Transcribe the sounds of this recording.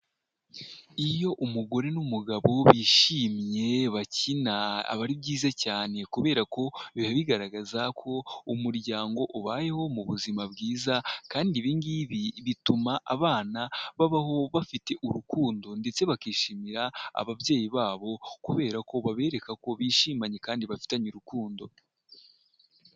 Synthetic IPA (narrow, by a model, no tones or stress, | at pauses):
ijo̞ʔumuɡo̞ɾe̞numuɡaβo̞βiːʃiːmje̞βacinaa̰βaɾibɟiːzacaːne̞kuβe̞ːɾako̞βihaβiɡaɾaɡazakʰo̞umuɾɟaːŋɡo̞ʔuβaːje̞ho̞muβuzimabɡiːzakaːndiβiːŋɡiβiβitumaʔaβaːnaβaβaɦo̞βafite̞ʔuɾukuːndo̞nde̞t͡se̞βakiːʃiːmiɾaa̰βaβjeːjiβaːβo̞kuβe̞ːɾako̞βaβe̞ːɾe̞kako̞βiːʃiːmaɲe̞kaːndiβafi̥taɲuɾukuːndo̞